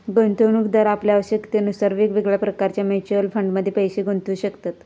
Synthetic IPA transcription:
ɡont̪əʋnuːkd̪əɾapljaaʋəɕəkt̪eənusəɾʋikʋiɡɭjapɾəkaɾt͡ɕjamet͡ɕəlfəɳɖməd̪ʱːjepəjɕeɡont̪uːɕəkt̪at̪

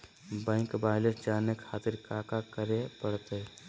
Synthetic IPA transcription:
bɛ̃ŋkbaːɪləsd͡ʒaːnekʰaːt̪ɪɾkaːkakəɾepəɽt̪e

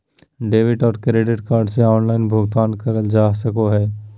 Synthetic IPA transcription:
ɖeːʋɪʈɔːɾkɾeːɖɪʈkaːɾɖseɔːnlaːɪnbʱoɡt̪aːnkɐɾəld͡ʒaːsɐkoɦɛː

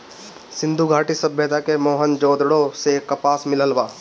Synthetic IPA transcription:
sɪ̃nd̪ʱuɡʱaːʈisɐbjəd̪akemoːɦənd͡ʒoːd̪ɽosekɐpaːsmɪləlbaː

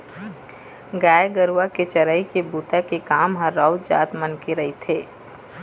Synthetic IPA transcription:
ɡaːjɡəɾuaket͡ʃɐɾəːikebuːt̪akekaːmɦəɾːaʊd͡ʒa̰ːt̪mənkeɾɐɦit̪ʰeː

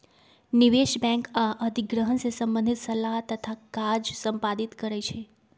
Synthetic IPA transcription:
niʋeʃbɛ̃ŋkaʔəd̪ʱiɡɾəɦənsesə̃mbə̃nd̪ʱit̪səlaɦt̪ət̪ʰakad͡ʒsəmpad̪it̪kəɾajt͡ʃʰe

